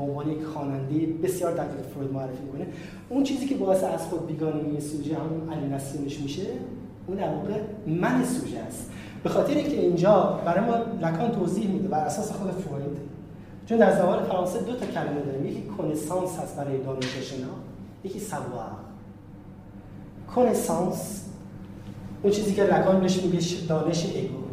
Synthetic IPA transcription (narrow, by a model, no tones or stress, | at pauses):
bomvɒːnejecxɒːnænd̪ejebe̞sjɒːɾd̪æʁiːɣefoɾid̪moæɾrːefiːmikʰo̞ne | unt͡ʃʰiːziːcʰe̞bɒːjeseæz̥xod̪̚biːɡɒːneinsuːd͡ʒehæmunæliːnæsiːmeʃmiːʃe | uːd̪æɾvɒːɣemænesuːd͡ʒeæst̪ | b̥e̞xɒːt̪ʰeɾeiŋcʲʰeiːnd͡ʒɒːbæɾɒːjemɒːlækʰɒːnt̪ʰoːziːhmiːd̪ebæɾæsɒːsexod̪efoɾid̪ | t͡ʃʰond̪æɾzævɒːnefæɾɒːnsed̪o̞t̪ʰɒcʰælæmed̪ɒːɾiːmjecʰiːkʰonesɒːnshæst̪̚bæɾɒːjed̪ɒːne̞ʃeʃenɒːjecʰiːsæbuːæ̰ | kʰonesɑːns | unt͡ʃʰiːziːcʲʰelækʰɒːnbeʃmubeʃd̪ɒːne̞ʃeʔeɡu